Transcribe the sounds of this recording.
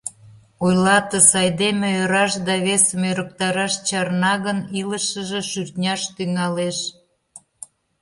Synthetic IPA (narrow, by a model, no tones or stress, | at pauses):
ojlɑt̪ə̆sɑjd̪emĕøɾɑʃd̪ɑβesəmøɾək̚t̪ɑɾɑʃt͡ɕɑrnɑɣəniləʃəʒĕʃyrt̪nʲɑʃt̪yŋɑleʃ